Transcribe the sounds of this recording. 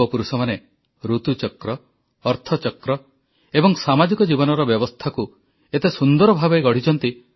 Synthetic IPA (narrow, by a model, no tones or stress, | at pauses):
ɔpuɾusɔmane | ɾut̪ut͡ʃɔkɾɔː | ɾt̪ʰɔt͡ʃɔkɾɔ | ebɔŋsamad͡ʒikɔd͡ʒibɔnɔɾɔbjɔbɔst̪ʰaku | et̪esund̪ɔɾɔbʱabejɡɔɽ̤it͡ʃɔnt̪i